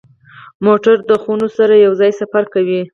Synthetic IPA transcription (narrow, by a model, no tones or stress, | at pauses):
moʈaɾd̪əxunosaɾajawzɑjsafaɾkawi